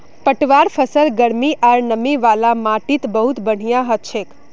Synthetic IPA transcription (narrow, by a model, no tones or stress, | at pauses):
pəʈʋaɾfəsəlɡəɾmiʔaɾnəmiʋalamãʈit̪bəɦut̪bəɳ̤ijaɦət̪̚t͡ʃʰek